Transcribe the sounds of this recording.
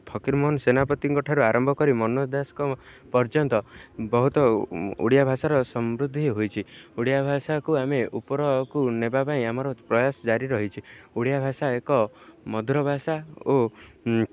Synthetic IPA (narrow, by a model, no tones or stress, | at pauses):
pʰɔkiɾmɔnsenapɔt̪iŋkɔʈʰaɾuaɾɔmbʱɔkɔɾimɔnod̪askɔ | pɔɾd͡ʒɔnt̪ɔbɔɦut̪ɔṵɽijabʱasaɾɔsɔmɾud̪ʱːiɦojt͡ʃʰiuɽijabʱasakuameupɔɾɔkunebapaĩamɔɾɔpɾɔjasɔd͡ʒaɾiɾɔɦit͡ʃʰiuɽjabʱasaekɔmɔd̪ʱɾɔbʱasao